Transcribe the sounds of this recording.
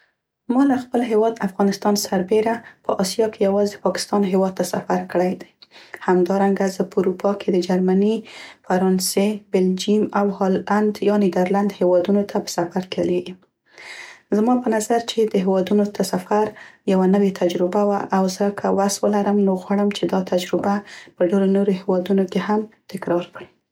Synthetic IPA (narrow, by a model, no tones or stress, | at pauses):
mɑlaxpəlɦewɑd̪afɣɑnɪst̪ɑnsaɾbeɾapəʔɑsijɑkejawɑzepɑkɪ̥st̪ɑnɦewɑd̪̚t̪asafaɾkəɽajd̪ajhamd̪ɑɾaŋɡazəpəuɾupʰɑkʰed̪əd͡ʒaɾmanifaɾɑnsebɪld͡ʒimawhɑland̪jɑnid̪əɾland̪hewɑd̪unot̪ʰapə̥safaɾkeleɡim | zmɑpənazaɾt͡ʃed̪əɦewɑd̪unot̪əsafaɾjawanəwet̪ʰad͡ʒɾɪbawaʔawzəkʰəwaswəlaɾəmnoɣwaɽəmt͡ʃed̪ɑt̪ʰad͡ʒɾɪbapəɖeɾonoɾohewɑd̪unokehamt̪ɪkɾɑɾkɽi